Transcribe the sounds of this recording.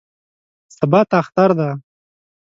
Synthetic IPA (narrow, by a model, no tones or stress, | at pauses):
sabat̪axt̪aɾd̪a